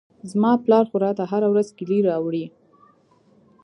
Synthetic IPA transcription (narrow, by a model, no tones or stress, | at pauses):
zmɑplɑɾxʊɾɑt̪aɦaɾawɾazkɪliɾɑwɽi